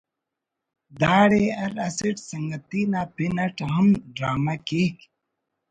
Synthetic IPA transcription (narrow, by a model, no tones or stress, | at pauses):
d̪aːɽeɐɾɐsiʈsɐŋɡɐt̪inapinɐʈɦɐmɖɾaːmakeːk